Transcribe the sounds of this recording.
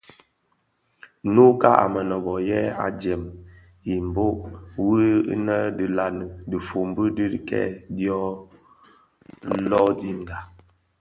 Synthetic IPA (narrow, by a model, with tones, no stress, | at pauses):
nu˦ka˦ʔa̰˨mə˨nɔ˨bɔ˨jɛ˦a̰˨d͡ʒɛ˨m | i˨m̩˨bo˦ʔwḭ˦nə˦də˨la˨nə˨di˨fo˨m˦bə˦di˦˨kɛ̰˦˨djɔ˦ | lɔ˦di˦ŋ˨ɡa˨